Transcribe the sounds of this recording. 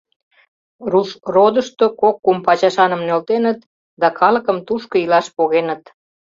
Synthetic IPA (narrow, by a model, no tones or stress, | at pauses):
ruʃrod̪əʃt̪okokːumpɑt͡ɕɑʃɑnəmnølt̪enət̪ | d̪ɑkɑləkəmt̪uʃkoilɑʃpoɣenət̪